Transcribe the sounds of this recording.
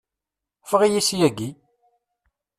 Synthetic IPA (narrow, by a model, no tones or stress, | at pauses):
fʁijisjæɡi